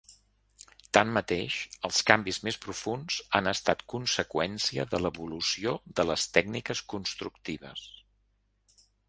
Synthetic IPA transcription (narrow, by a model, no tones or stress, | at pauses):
t̪anːət̪eʃəlˠskambizmespɾufunzanəst̪at̪kunsəkwɛnsiəðələβulusioðələst̪ɛɡnikəskunst̪ɾuk̚t̪iβəs